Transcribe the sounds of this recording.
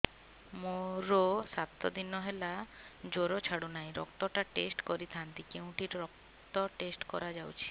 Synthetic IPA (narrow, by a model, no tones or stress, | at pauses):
moɾosat̪ːɔ̰d̪inɔɦela | d͡ʒoɾot͡ʃʰaɽunajɾɔ̰kt̪ɔʈaʈesʈkɔɾit̪ʰant̪ikeũʈiɾɾɔk | t̪ɔʈesʈkɔ̰ɾad͡ʒawt͡ʃʰi̥